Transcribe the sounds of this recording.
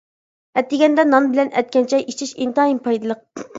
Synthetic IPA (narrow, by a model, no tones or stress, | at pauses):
ɛt̪ːɪɡʲɛnd̪ɛnɑmbɪlɛnɛ̰t̪̚kʲɛnt͡ʃʰɛjʔit͡ʃʰiʃint̪ɑimpʰɑjd̪ɨlˠəq̚